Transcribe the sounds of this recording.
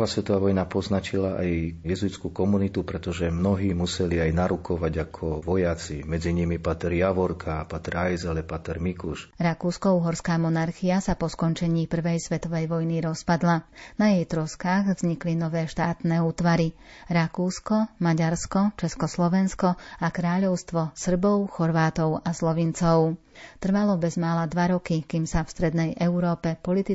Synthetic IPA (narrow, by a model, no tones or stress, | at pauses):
ʋaːsʋɛt̪ɔʋaːʋɔjnapɔznat͡ʃilaʔajjɛzujt͡skukɔmunit̪upɾɛt̪ɔʒɛmnɔɦiːmusɛliajnaɾukʰɔʋaɟakʰɔʋɔjat͡simɛd͡ziɲimipat̪ɛɾjaʋɔɾkʰapat̪ɛɾajzɛlɛpat̪ɛɾmikuʃɾakuːskɔuːɦɔɾskaːmɔnaɾxiasapɔskɔnt͡ʃɛɲiːpr̩ʋɛjsʋɛt̪ɔʋɛjʋɔjniɾɔspad̪lanajɛjt̪ɾɔskaːɣvz̥ɲiklinɔʋɛːʃt̪aːt̪nɛːuːt̪ʋaɾiɾakuːskɔmaɟaɾskɔt͡ʃɛskɔslɔʋɛnskɔakɾaːʎɔʊst̪ʋɔsr̩bɔʊxɔɾʋaːt̪ɔʊaslɔʋint͡sɔʊ | t̪r̩ʋalɔbɛzmaːlad̪ʋaɾɔkikiːmsafst̪ɾɛd̪nɛjʔɛʊɾɔːpɛpɔlit̪i